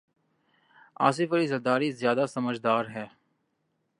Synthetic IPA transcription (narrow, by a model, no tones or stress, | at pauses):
a̰ːs̬ɪfəliːzəɾd̪aːɾizjaːd̪asəməd͡ʒd̪aːɾɦɛː